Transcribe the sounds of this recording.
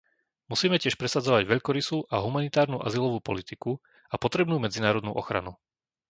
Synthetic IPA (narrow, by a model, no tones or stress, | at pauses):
musiːmɛcɪɛʃpɾɛsad͡zɔʋaɟʋɛʎkɔɾisuːʔaɦumanit̪aːɾnuːʔa̰zilɔʋuːpɔlit̪iku | apɔt̪ɾɛbnuːmɛd͡zinaːɾɔd̪nṵːʔɔ̰xɾa̰nu